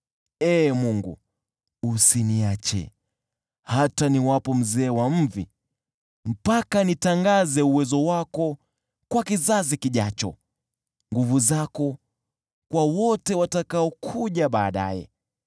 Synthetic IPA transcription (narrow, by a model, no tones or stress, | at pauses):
ɛːmuŋɡṵ | usiniat͡ʃɛ̰ | hataniwapɔm̩zɛːwam̩vḭ | m̩pakanitaŋɡazɛuwɛzɔwakɔ | kwakizazikiʄat͡ʃɔ̰ | ŋɡuvuzakɔ | kwawɔtɛwatakaɔkʰuʄaɓaːɗa̰jɛ̰